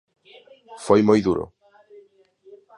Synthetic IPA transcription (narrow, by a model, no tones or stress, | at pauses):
fojmojðuɾo̰